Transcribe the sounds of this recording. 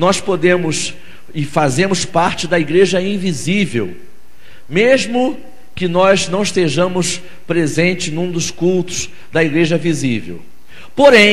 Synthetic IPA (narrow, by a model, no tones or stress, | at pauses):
nɔspod̪ẽmʊs | ɪfazẽmʊspaɾt͡ʃɪd̪ɐiɡɾeʒɐĩvizivḛw | mezmʊ | kɪnɔznɐ̃w̃ɪst̪eʒɐ̃mʊs | pɾezẽnt͡ʃɪznũd̪ʊskult̪ʊ̥z̥ | d̪ɐiɡɾeʒɐvizivḛw | poɾẽ